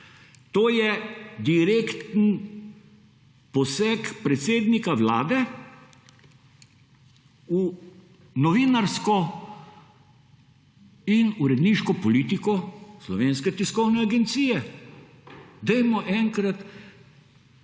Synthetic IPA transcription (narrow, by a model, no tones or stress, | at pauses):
t̪oːjɛd̪iɾeːkt̪n̩ | pɔsɛkpɾɛt̪seːd̪nikaʋlaːd̪ɛ | u | nɔʋiːnaɾskɔ | inuɾɛd̪niʃkɔpɔliːt̪ikɔslɔʋeːnskɛt̪iskɔwnɛaɡɛnt̪siːjɛ | d̪ɛjmɔʔɛŋkɾat̪